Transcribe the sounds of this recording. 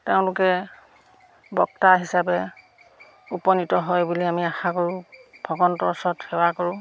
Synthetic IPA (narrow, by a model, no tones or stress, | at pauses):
teʊ̃lʊkɛ | bɔk̚taɦisapɛ | upɔnitɔɦɔjbuliamiaxakoɹʊ̃b̥ʱɔɡɔntɔɹsɔthɛwakoɹʊ̃